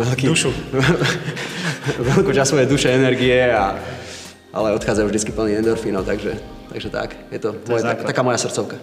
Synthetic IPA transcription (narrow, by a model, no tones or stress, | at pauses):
ʋɛlkiuʃu | ʋɛlkuːt͡ʃasɔʋɛd̪uʃɛɛnɛɾɡiɛa | ʔa̰lɛɔt̪xaːd͡zajuvʒd̪it͡skipl̩niɛnd̪ɔɾfiːnɔʊt̪aɡʒɛ | t̪a̰ɡʒɛt̪a̰kjɛt̪ɔmɔjɛt̪akt̪akaːmɔjasr̩t̪t͡sɔʊka